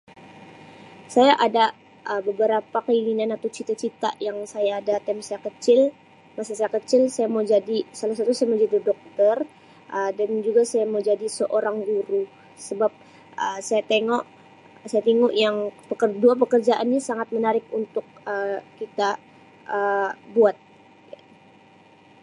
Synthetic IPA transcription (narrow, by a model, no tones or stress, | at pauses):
sajaʔada | ʔəbəbəɾapakəilinanat̪awt͡ʃit̪at͡ʃit̪a̰ʔjaŋsajaːdat̪ɛmsajakət͡ʃɪl | masisajakət͡ʃɪlsajamawd͡ʒadisalasat̪usajamad͡ʒadidɔk̚t̪ər | ʔədand͡ʒuɡasajamawd͡ʒadisəʔoɾaŋɡuɾu | səbap̚ | əsajat̪eŋɔʔ | sajat̪iŋɔʔjaŋpəkərduap̬əkərd͡ʒaʔanɲasaŋat̪̚mənaɾɪk̚unt̪ʊk̚əkit̪a | ʔəbuat̪̚ | ja